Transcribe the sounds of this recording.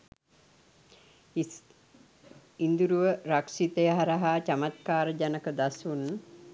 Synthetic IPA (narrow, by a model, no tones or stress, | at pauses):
ind̪uɾuʋəɾakʂit̪əjəɦaɾəɦaːt͡ʃamat̪̚kaːɾəd͡ʒanəkəd̪asun